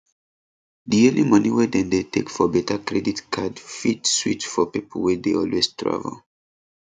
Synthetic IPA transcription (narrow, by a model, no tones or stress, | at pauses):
diõnlimʌniwɛdɛ̃ndetekfɔbɛtakɹɛditkʰadfitswitfɔpipʰəlwɛdeɔlwestʰɹa̰və̰l